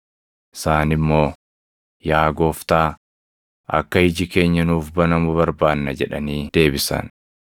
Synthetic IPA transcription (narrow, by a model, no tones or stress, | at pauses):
ʔɪ̥saːnɪmːo̞ː | jaːɡo̞ːft̪aː | ʔɐ̰kːɐɪd͡ʒɪke̞ːɲːɐnuːfbɐnɐmʊβɐɾbaːnːɐd͡ʒɛᶑɐniːd̪̥e̞ːbɪsɐ̰n